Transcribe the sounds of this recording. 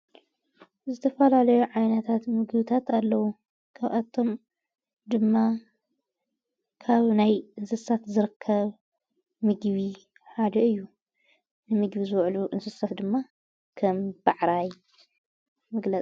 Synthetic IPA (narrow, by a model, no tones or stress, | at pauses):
zɨt̪ʰɐfɐlalɐjuʕajnɐt̪ʰat̪mɨɡβit̪ʰat̪alːɐwu | kʰaβʔat̪ʰo̞m | d̪ɨmːa | kʰaβnajɨnsɨsat̪zɨɾɨkʰːɐβ | mɨɡβi | ħad̪ɐɨjːu | nɨmɨɡβizɨwʕluʔɨnsɨsɐfd̪ɨmːa | kʰɐmb̥aʕɾaj | mɨɡlɐt͡sʼ